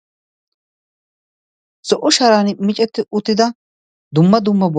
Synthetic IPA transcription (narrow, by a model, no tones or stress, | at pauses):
sɔʔɔʃɐɾaːnmɪt͡ʃʼɛt̪ːɪʔʊt̪ːɪd̪ɐ | d̪ʊmːɐd̪ʊmːɐb